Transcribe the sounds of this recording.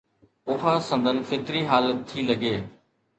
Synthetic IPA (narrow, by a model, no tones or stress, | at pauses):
ʊɦaːsə̃nd̪ʱənfɪt̪ɾiːɦaːlət̪ʰːiːləɡeː